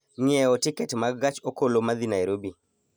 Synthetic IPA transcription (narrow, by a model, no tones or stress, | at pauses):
ɲɛɔtɪkɛtmaɡat͡ʃokolomad̪inajɾobi